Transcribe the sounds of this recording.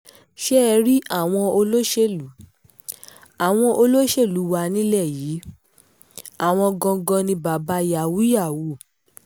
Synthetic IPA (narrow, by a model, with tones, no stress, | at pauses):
ʃɛ˦˧ɾi˦a˦˨w̃ɔ̃˧o˧lo˦ʃe˦˨lu˨˦ | a˨w̃ɔ̃˧ʔo˧lo˦ʃe˦˨lu˨˦wa˧nĩ˦lɛ˦˨jiː˨˦ | a˦˨w̃ɔ̃˧ɡɔ̃˧ɡɔ̃˧nĩ˧ba˨ba˧˦ja˨wu˨˦ja˦˨wu˨˦˨